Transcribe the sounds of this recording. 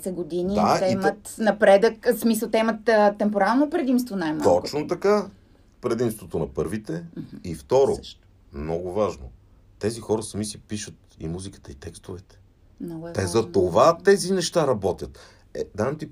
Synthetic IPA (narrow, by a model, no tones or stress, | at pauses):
sɛɡod̪inid̪at̪ɛimət̪nɐpɾɛd̪əksmisəlˠt̪ɛimət̪ət̪ːɛmpoɾalnopɾɛd̪imst̪vonajmaɔkt͡ʃnot̪ɐka | pɾɛd̪imst̪vot̪onɐpɤɾvit̪ɛift̪ɔɾo̰ʃt̪ | mnɔɡʊvaʒno̰ | t̪ɛzixɔɾɐsɐmisipiʃət̪̚ḭmuzikə̥t̪əit̪ɛkst̪ovɛt̪ɛ̥ | nɐwɛɛzzɐt̪ovat̪ɛzinɛʃt̪aɾɐbɔt̪ʲjət̪ | ɛd̪avɐmt̪i